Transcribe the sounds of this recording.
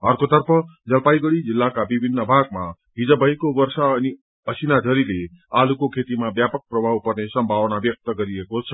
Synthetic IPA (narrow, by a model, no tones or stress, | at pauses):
ʌrkot̪ʌrpʰʌd͡zʌlpajɡʌɽid͡zilːakabibʱinːʌbʱaɡ̚ma | ɦid͡zʌbʱʌjkobʌrsaʌni | ʌsinadʱʌɾile | alukokʰet̪imabjapʌk̚prʌbʱawpʌrnesʌmbʱawnabjʌk̚t̪ʌɡʌɾiekot͡sʰʌ